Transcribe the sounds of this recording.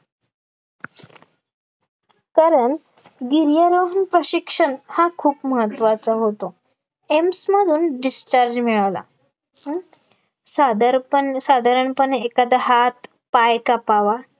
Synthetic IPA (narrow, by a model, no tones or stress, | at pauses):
kaɾəɳ | ɡiɾjəɾoɦnpɾəɕikʂəɳhakʰuːpməɦət̪ʋat͡saɦot̪o | emsməd̪ʱuːnɖist͡ɕaɾd͡ʑmiɭala̰ | sad̪əɾpənsad̪ʱaɾəɳpəɳekad̪aɦat̪ | pajkapaʋa